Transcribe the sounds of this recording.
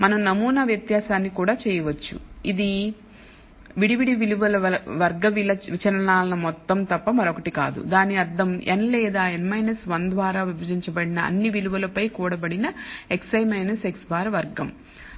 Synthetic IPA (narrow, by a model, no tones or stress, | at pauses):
mɐnɐmnɐmuːnɐʋjɐt̪jaːsaːnːikuːɽaːt͡ʃɛːjɐʋɐt͡ʃːṵid̪i | ʋiɽiʋiɽiʋiluʋɐlɐɐʋɐɾɡɐʋilɐʋit͡ʃɐɾɐnaːlɐnɐmɔt̪ːɐmt̪ɐpːɐmɐɾokɐʈikaːd̪ṵd̪aːniɐd̪ːɐmḛnlɛːd̪aːenmɐjnɐsʋɐnd̪ʋaːɾaːʋibʱɐd͡ʒiɲt͡ʃɐbɐɽinɐɐ̰nːiʋiluʋɐlɐpɐjkuːɽɐbɐɽinɐeksɐjmɐjnɐseksbaːɾɐʋɐɾɡɐm